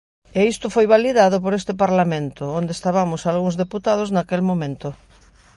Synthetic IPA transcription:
eist̪ʊfojβaliðaðop̬oɾest̪ep̬aɾlamẽnt̪oond̪est̪aβamosalɣũŋzðeput̪að̞oznakelmõmẽnt̪o

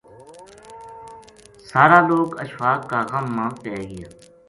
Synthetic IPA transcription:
saːɾaːloːkəʃʋaːkːaːɣəmːãːpɛːɡɪjaː

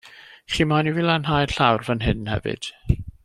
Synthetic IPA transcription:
χiːmanivilˠanɦajrɬawrvənɦɪnhɛ̰vɨ̰d̥

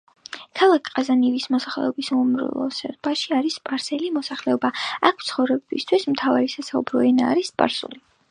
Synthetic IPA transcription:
kʰalˠakʰʼqʼazanivismɔsaχlɛ̰ɔbisumɾṵlˠɔ̰sɛ̰ɾbaʃiaɾispʼaɾsɛlimɔsaχlɛɔbaakʰt̪sʰχɔvɾɛbist̪ʰwismt̪ʰavaɾisasaṵbɾɔɛnaːɾispʼa̰ɾsṵli

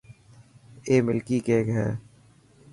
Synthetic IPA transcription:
eːmɪlkikeːkɦɛ̰ː

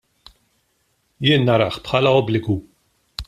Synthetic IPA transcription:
jɪːnːɐɾɐħpħɐːlɐɔblɪɡu

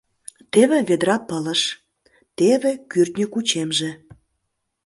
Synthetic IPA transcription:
t̪eβĕβed̪ɾɑpələʃ | t̪eβekyrt̪nʲəkut͡ɕemʒĕ

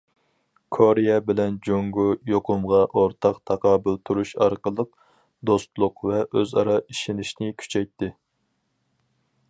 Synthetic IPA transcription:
kʰoɾijɛbɪlɛnd͡ʒoŋɡujoqʰʊmʁɑʔoɾt̪ʰɑqt̪ʰɑqʰɑːbɪlt̪ʰuɾuʃɑɾqəlˠəq | d̪ost̪lˠʊqvɛʔøzɑ̰ɾɑiʃinɪʃnɪkʲʰy̥t͡ʃʰɛjt̪ʰːɪ

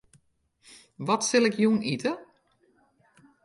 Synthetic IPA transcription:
ʋɔtsɪlˠɪkʰjunitə

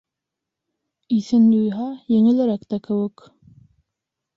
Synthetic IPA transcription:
iθɘnd̪ujɦɑjɘ̆ŋɘ̆læɾækt̪ækɘ̆wɘk

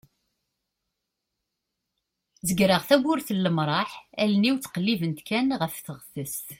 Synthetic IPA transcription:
zəɡɾəʁθæɡʊɾθəlːəmɾˤɑħælniwt͡sːqəlːivənt̪kænʁəfθəʁθəst̪

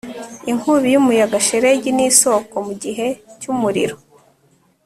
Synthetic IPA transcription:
iŋhuβijumujaɡaʃeɾe̞ɟiniːso̞ko̞muɟiɦe̞cumuɾḭɾo

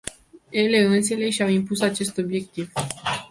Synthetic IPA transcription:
je̞le̞ɨns̬e̞le̞ʃawimpusat͡ʃe̞st̪o̞bje̞k̚t̪iv

